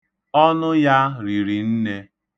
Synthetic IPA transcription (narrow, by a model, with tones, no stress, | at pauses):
ɔ˦nʊ˦ja˦ɾi˨ɾi˨n̩˦ne˦